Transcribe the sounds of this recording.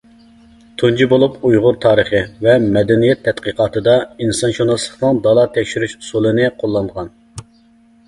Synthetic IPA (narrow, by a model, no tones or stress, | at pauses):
t̪ʰund͡ʒibolˠupujʁʊɾt̪ʰɑːɾəχɨvɛmɛd̪ɛnijɛt̪ʰːɛt̪qəqɑːt̪ɨd̪ɑinsɑnʃonɑslˠə̥χnɨŋd̪ɑlˠɑt̪ʰɛkʲʃyɾyʃu̥sulˠɨnɨqʰolˠːɑnd̪ʁɑn